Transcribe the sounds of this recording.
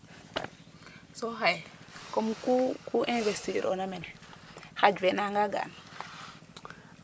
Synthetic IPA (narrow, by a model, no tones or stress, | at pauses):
soɦajkomkukuʔĩnvestiɾʔo̰namen | had͡ʒvenaŋɡaɡa̰n